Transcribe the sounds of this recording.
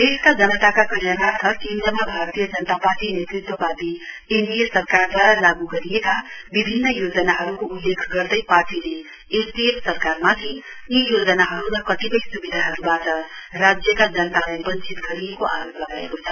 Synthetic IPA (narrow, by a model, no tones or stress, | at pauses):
eskad͡zʌnʌt̪akakʌɾjanart̪ʰʌkẽnd̪rʌmabʱaɾt̪ijʌd͡zʌnət̪aparʈinet̪rit̪wʌpat̪i | enɖijesʌrkard̪ʱwaɾalaɡuɡʌɾijekabibʱinːʌjod͡zʌnaɦʌɾukoulːekʰɡʌrd̪ʌjparʈile | estiessʌrkarmat̪ʰi | ijod͡zʌnaɦʌɾuɾʌkʌt̪ipʌjsubid̪ʱaɦʌɾubaʈʌrad͡zjʌkad͡zʌnət̪alajbʌnt͡sit̪ɡʌɾiekoʔa̰ɾoplʌɡaḛkot͡sʰʌ